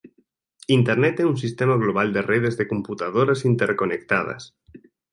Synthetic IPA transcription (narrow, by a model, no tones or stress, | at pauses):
int̪eɾnet̪eunsist̪emaɣ̞loβ̞ald̪ereð̞ezðekomput̪að̞oɾasint̪eɾkonek̚t̪að̞a̰s